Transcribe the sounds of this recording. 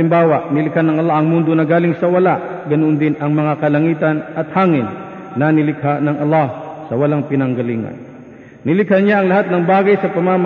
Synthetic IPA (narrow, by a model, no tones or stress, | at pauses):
ɪmbaːwɐʔnɪlɪkhanːɐŋʔɐlːahɐŋmund̪onɐɡaːlɪŋsɐwɐlaʔɡɐnond̪ɪnɐŋmɐŋakɐlɐŋiːt̪ɐnʔɐt̪haːŋɪnː | ɐnɪlɪkhaʔnɐŋʔɐlːahsɐwɐlaŋpɪnɐŋɡɐliːŋɐ̰n | nɪlɪkhɐnɲaɐŋlɐhat̪̚nɐŋbaːɡɐjsɐpɐmam